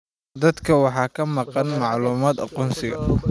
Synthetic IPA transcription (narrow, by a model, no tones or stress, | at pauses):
d̪ɐd̪kʰɐwɑħɑːkʰɐmɑqɑnmɑʕluːmaːd̪ɑ̰qɔːnsɪɣɐ̰